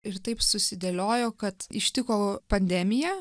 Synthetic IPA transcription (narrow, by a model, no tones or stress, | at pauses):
ɪɾt̪ɐɪpsʊsʲɪd̪ʲelʲoːjoːkɐt̪ɪ̰ʃʲt̪ʲɪkoːpɐnʲd̪ʲɛːmʲɪjɛ